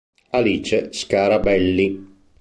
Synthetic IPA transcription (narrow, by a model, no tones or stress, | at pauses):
aliːt͡ʃeskaɾabɛlːi